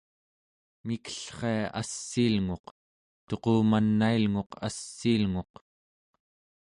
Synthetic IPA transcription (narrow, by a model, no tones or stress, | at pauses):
mikə̥ɬχeaʔa̰sːiːlŋo̞q | t̪o̞qoːmanːailŋo̞qasːiːlŋo̞q